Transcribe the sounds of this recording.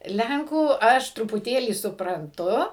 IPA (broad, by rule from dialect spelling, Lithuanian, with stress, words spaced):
ˈlʲɛŋkuː ˈɐʃ trʊpʊˈtʲeːlʲiː sʊprɐnˈtʊ